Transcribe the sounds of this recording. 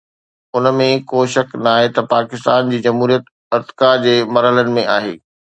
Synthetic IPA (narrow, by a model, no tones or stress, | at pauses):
ʊnəmẽkoːʃɐknaːɦet̪ɐpaːkɪst̪aːnd͡ʑiːd͡ʑɐmɦuːɾijət̪ | ɐɾt̪kad͡ʑeːmɐɾɦələnɪ̆mẽaːɦḛː